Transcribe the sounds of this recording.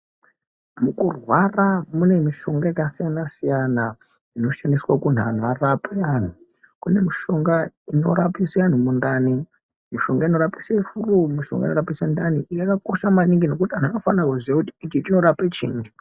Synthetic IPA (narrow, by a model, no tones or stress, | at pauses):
mukurwaramune̞miʃo̞ŋɡaikasijanasijana | ino̞ʃandiswakun̤an̤uarapaan̤u | kune̞miʃo̞ŋɡaino̞̰ɾapisean̤umundani | miʃo̞ŋɡaino̞ɾapisefurumiʃo̞̰ŋɡa̰ino̞rapisandaniʔijakako̞ʃamaniŋɡino̞kutian̤uano̞fanrakuziwakuti̥ikit͡ʃino̞ɾapet͡ʃḭːŋɡi